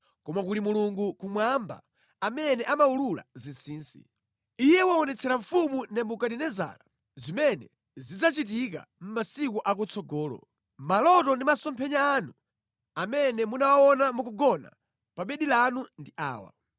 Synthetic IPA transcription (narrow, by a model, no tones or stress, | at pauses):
kɔmakutimuluŋɡukumwamba̰ː | mɛnɛʔamaulula̰zinsiːnsḭ | ijɛwaɔnɛt͡sʰɛɾaɱfumunɛmbukaɗinɛza̰ːla | zimɛnɛ̰ | zid͡zat͡ʃit̬ik̬a̰m̩masikuʔakut͡sʰɔɡɔːlɔ̰ | malɔtɔndimasɔmpʰɛɲaːnu | amɛnɛmunawaɔnamukɔɡɔna̰ | paɓɛɗilanundiʔa̰ːwa̰